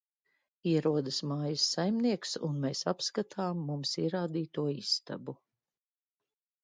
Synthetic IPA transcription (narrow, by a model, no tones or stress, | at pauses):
iɛɾuɔd̪ɐsmaːjɐsːajmniɛksṵnmeːsapskat̪ʰaːmːumsiɛɾaːd̪iːt̪uɔisːt̪a̰bu